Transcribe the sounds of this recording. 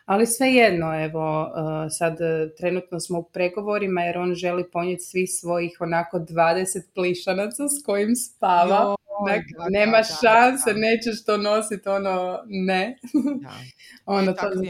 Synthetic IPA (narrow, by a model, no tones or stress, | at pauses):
alisʋe̞je̞d̪no̞e̞ʋo̞əsad̪t̪ɾe̞nut̪nosmoupɾe̞ɡo̞ʋo̞ɾimajeɾo̞ːnʒe̞lipo̞ɲet̪ʲsʋixsʋo̞jixo̞nako̞d̪ʋaːd̪eset̪̚pliʃanat̪sasko̞jimst̪aʋaonakne̞ːmaʃansene̞ːt͡ɕeʃt̪ono̞sit̪o̞none | o̞not̪o